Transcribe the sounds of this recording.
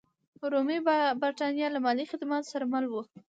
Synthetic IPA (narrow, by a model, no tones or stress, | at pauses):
ɾomibaɾʈ̪ɑnjɑlamɑlixɪd̪mɑt̪saɾamalwu